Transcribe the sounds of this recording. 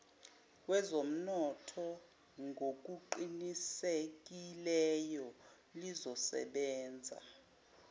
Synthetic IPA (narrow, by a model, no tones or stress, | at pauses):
wɛzom̩nɔtʰɔ | ŋɡʱok̬ʼuǃinisek̬ʼilɛjɔ | lizɔsɛ̰ɓɛːnd͡zʱa̰